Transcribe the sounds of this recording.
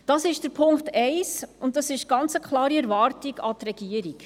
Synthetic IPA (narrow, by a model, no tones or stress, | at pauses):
d̥ɑsɪʃd̥əɾpʰʊŋktɛɪsʊnt̚dɑsɪʃɡ̥ɑnt͡səkʰχlɑːɾiɛɾvɑːrtiɡɑt̪rɛɡ̥iəɾiɡ